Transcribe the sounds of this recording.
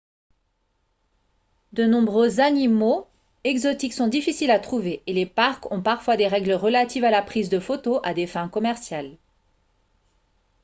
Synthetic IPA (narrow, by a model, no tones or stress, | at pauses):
d̪ənɔ̃bʁøzanimo | ɛɡzɔt̪iksɔ̃d̪ifisilat̪χuveːlepaʁkɔ̃paʁfwad̪eʁɛɡləʁəlat̪ivalapχizd̪əfot̪oʔad̪efɛ̃kɔmɛʁsjal